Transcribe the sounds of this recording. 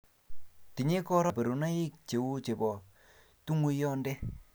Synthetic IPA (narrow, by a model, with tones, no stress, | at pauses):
ti˨ɲe˦kɔ˦ɾa˨pe˨ɾu˨na˦i˦k̚t͡ʃe˨wu˦t͡ʃe˨bɔ˨ | tu˦ŋwu˦jɔ˦ndɛ˦